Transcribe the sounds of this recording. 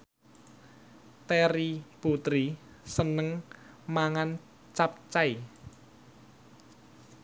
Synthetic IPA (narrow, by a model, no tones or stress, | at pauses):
t̪ɛɾiput̪ɾi | sənəŋ | maŋan | t͡ʃap̚t͡ʃaj